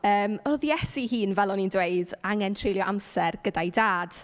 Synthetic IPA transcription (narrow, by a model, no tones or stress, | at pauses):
əːmɔðijɛsihiːnvɛlˠɔnindweɨdaŋɛntʰrejljɔʔamsɛrɡ̥ədajdaːd̥